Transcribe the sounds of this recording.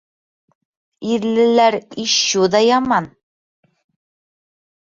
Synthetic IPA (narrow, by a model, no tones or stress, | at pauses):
iðlɘ̆læɾiɕuðɑjɑmɑn